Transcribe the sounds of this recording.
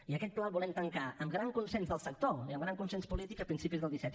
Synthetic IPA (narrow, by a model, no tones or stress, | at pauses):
iəkɛt̪̚plaβulɛmt̪əŋkaəmɡɾaŋkunsɛnzðəlˠsək̚t̪oiəmɡɾaŋkunsenspulit̪ikəpɾinsipizðəlˠd̪isɛt̪